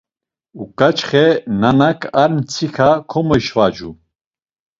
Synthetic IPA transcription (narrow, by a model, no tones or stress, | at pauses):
ukʼat͡ʃχɛnanakʼʰaɾmt͡sʰixʰakʰɔmɔjʃvad͡ʒu